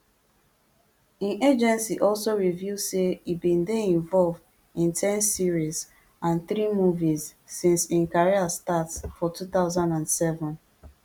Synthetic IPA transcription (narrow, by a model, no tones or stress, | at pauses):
ĩnʔed͡ʒɛ̃nsiʔɔlsoɹivjuzseibĩndeĩɱvɔlvd | ĩntʰɛ̃nsiɹiz | ãnθɾimuvizːĩnsĩnkaɹiastatsfɔtʰuθaʊzãndãndsɛvɔ̃n